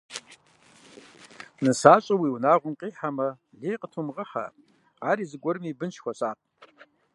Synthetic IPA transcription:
nɨsaːɕʼɐwiwnaːʁʷʊmqʼiːħamɐ | ɮeːjqətʰumʁəħa̰ | aːɾiːzɨɡʷɔɾɨmiːbɨnt͡ʃʰxʷɔɕʼaːq̚

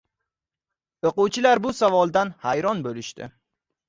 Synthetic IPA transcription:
oqʊwt͡ʃʰɪlaɾbʊsavɒlˠd̪anhajɾɒnbolɪʃt̪ɪ̰

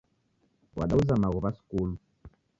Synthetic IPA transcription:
wa̰ɗauzanaɣuβaskulu

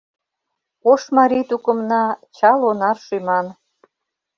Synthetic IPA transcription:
oʃmɑɾit̪ukə̆mnɑt͡ɕɑlonɑrʃymɑn

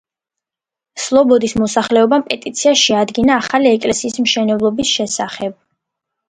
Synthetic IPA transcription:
slˠɔbɔd̪ismɔsaχlɛɔbampʼɛt̪ʼit̪sʰiaʃɛad̪ɡinaːχaliɛkʼlɛsiːsmʃɛnɛblˠɔbisʃɛsaχɛb̥̚

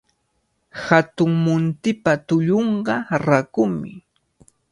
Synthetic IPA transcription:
hat̪ʊŋmʊnt̪ɪpat̪ʊʎoɴɢɑɾakʊmɪ̰

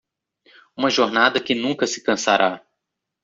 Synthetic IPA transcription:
ũmɐʒoɾnad̪ɐkɪnũkɐsɪ̥kɐ̃saɾʔa

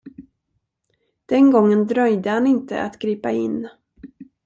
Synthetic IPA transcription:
d̪̥ɛnɡɔŋːənd̪ɾœjd̪əhanɪnt̪ə̰ʔa̰t̪ɡ̥ɾiːpaɪnː

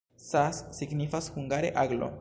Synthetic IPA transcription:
sasːiɡnifashuŋɡaɾe̞̰ʔaɡlo̞̰

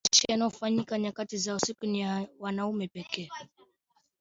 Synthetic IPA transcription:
t͡ʃijanaɔfaɲikaɲakatizausikunijawanaumɛpɛkɛ

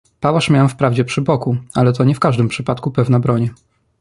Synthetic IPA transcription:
pawaʂmʲjawfpɾavd͡ʑɛpʂɘbɔkualɛt̪̬ɔɲɛfkaʐd̪ɘmpʂɘpat̪kupɛvnabɾɔɲɛ

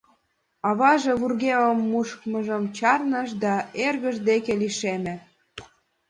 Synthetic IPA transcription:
ɑβɑʒeβurɣeləmːuʃkməʒəmt͡ɕɑrnəʃ̬d̪ɑerɣəʒd̪ekeliʃemĕ

